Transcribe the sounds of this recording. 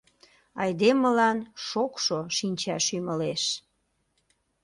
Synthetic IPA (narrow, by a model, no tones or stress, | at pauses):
ɑjd̪eməlɑnʃokʃoʃinʲt͡ɕɑʃyməleʃ